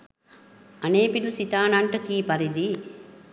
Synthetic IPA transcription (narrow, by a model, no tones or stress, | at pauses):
ɐneːpilusit̪aːnɐɳʈɐkiːpɐɾid̪i